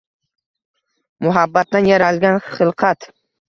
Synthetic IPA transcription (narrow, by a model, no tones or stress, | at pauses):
mʊɦabːat̪ːanjaɾalɡʲanχɨlˠqʰɑt̪